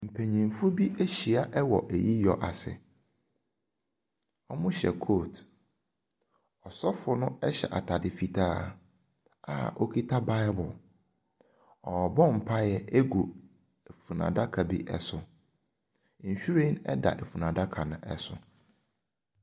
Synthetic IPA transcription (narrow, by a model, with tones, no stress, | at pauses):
m̩˨pʰæ˨ɲĩ˨m˨fʊ˦bi˦ʔe˦ɕi˨a˨ʔɛ˦wɔ˨ʔæ˨ji˦jɔ˨ʔa˨sɪ̰˨ | ɔ˦mʊ̃˦ɕɛ̰˨kʰoː˦˨t | ɔ˨sɔ˦fʊ˨nʊ̃˦ɛ˦ɕɛ̰˨ʔa̰˨tʰa˨dɪ˨fi˨tʰaː˦ | a̰˨ɔ˦kʰi˦tʰa˦ba˦ɪ˦bʊ˨l | ɔ˨bɔ˦m̩˨pʰa˦jɛ˨e˦ɡu˨ | e˨fu˨nã̰˨da˦kʰa˨bḭ˦ʔɛ̰˦sʊ˨ | n̩˨ɕᶣu˦ɾẽ˦nɛ̰˦da̰˨ʔe˨fu˨nã˨da˦kʰa˨nʊ̃˦ʔɛ˦sʊ̰˨